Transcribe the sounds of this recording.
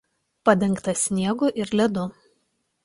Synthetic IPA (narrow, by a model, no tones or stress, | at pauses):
pɐd̪ʲɛŋˑkt̪ɐsʲnʲiɛɡʊʔɪɾlʲɛd̪ʊ